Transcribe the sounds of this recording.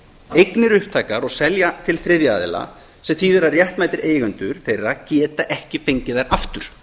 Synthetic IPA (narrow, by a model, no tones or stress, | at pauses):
ejknɪɾʏhp̚t̪ʰaːjkaɾɔɣsɛljat̪ʰɪlθɾɪðjaaːðɪ̰la̰ | sɛmθiːðʏɾarjɛht̪maːjt̪ɪɾʔeːjɣʏnt̪ʏɾ̥θejrːacɛːt̪aʔɛhcɪfeɲcɪðaɾaft̪ʏɾ̥